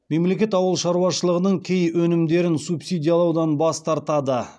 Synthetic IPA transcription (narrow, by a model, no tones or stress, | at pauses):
me̞mle̞kʲe̞t̪ɑwəlˠʃɑɾuwɑʃəlˠəʁənəɴkʲʰejwɵnɪmd̪e̞ɾɪnsupsijd̪ʲijalˠɑwd̪ɑnbɑst̪ɑɾt̪ɑd̪ə